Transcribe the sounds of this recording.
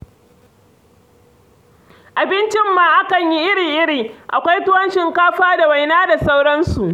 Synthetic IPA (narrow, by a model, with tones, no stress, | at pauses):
ʔa˨bɪ˦nt͡ʃɪ˦mːaː˨ʔa˦kɐ˨ɲji˦ʔɪ˦ɽiː˨ʔɪ˦ɽiː˨ʔa̰˨kʷa˦jtʊ˦wɐ˦nʃɪ˨ŋkaː˦ɸaː˦da˨wa˨jnaː˦da˨sa˦wɽɐ˦nsu˨ʔ